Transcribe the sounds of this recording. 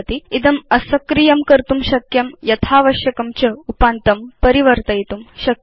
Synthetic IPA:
t̪iid̪ɐmɐsɐkɾijɐmkɐɾt̪umʃɐkjɐmjɐt̪ʰaːʋɐʃjɐkɐmt͡ɕɐupant̪ɐmpɐɾiʋɐɾt̪ɐjt̪umɕɐk

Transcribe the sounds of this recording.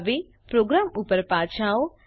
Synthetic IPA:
ʋe | pɾoɡɾamupəɾpaːt͡ʃʰao

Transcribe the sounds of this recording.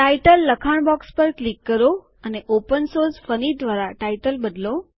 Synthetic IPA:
ʈaiʈəlːəkʰaɳ̃bɔkspəɾklikːəɾo | əneʔopənsoɾsfənid̪ʋaɾaʈaiʈəlbəd̪lo

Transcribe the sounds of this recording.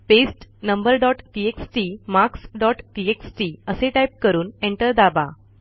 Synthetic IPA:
pesʈnəmbəɾɖɔʈʈieksʈimaksɖɔʈʈieksʈiəseʈajp̚kəɾuːneɳʈəɾd̪aba

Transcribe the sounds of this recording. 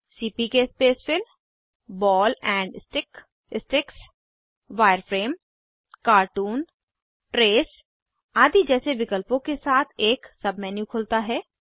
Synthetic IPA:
siːpikespeːsfɪl | bɔːlɛ̃ːɳɖɪsʈɪk | ɪsʈɪks | ʋaːɪəɾfʰɾeːm | kaːɾʈuːn | ʈɾeːs | aːd̪id͡ʒɛːseʋɪkəlpõkesaːt̪ʰeːksɐbmɛːnjũkʰʊːlt̪aɦɛː

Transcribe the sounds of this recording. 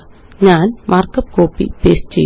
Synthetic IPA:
ɲaːnmʔaːrkɐp̚koːpːḭpeːst͡ɕḛ

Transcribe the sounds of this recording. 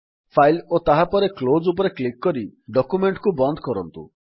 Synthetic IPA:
pʰajlot̪aɦapɔɾeklod͡ʒup̬ɔɾeklikːɔɾiɖɔkumeɳʈkubɔnd̪ʱɔkɔɾɔnt̪ṵ

